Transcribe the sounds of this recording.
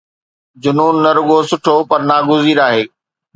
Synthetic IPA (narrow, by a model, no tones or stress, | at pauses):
d͡ʑʊnuːnːɐɾʊɠosʊʈʰopɐɾnaːɡʊziːɾaːɦeː